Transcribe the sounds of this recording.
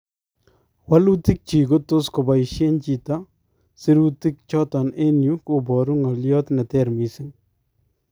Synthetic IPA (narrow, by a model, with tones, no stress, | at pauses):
wa˦lu˦ti˦k̚t͡ʃi˨ɡo˦to˦sko˨ba˨ɪ˨ʃe˦nt͡ʃi˨ta˦ | sɪ˦ɾu˦ti˦k̚t͡ʃɔ˦tɔ˨ne˦nju˦ko˨bɔ˨ɾu˦ŋɔ˨ljɔ˦t̪nɛ˨tɛɾmi˨sɪ˦ŋ